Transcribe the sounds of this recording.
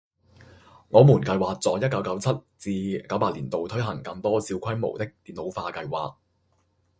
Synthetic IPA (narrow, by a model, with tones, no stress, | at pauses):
ŋɔː˨˧muː˨˩nkɐ˧jwaː˨k̚t͡sɔː˨˧jɐ˥t̚kɐ˨˧˥wkɐ˨˥wt͡sʰɐ˥t̚t͡siː˧kɐ˨˥wpaː˧t̚liː˨˩nt̪o˨wt̪ʰɵ˥ɥɦɐ˨˩ŋkɐ˧ŋt̪ɔː˥si˧wkʷʰɐ˥jmo̰˨˩wt̪ɪ˥k̚t̪iː˨˩nlo˨˧wfaː˧kɐ˧jwa̰ː˨˩k̚